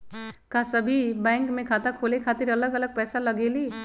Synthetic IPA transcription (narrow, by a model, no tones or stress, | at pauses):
kasʌbʱibajŋkmẽkʰat̪akʰolekʰat̪iɾʌləɡələɡ̚pɛjsalʌɡeli